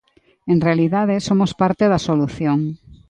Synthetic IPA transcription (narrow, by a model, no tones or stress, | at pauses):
enrealiðað̞esomospaɾt̪eðɐsoluθjoŋ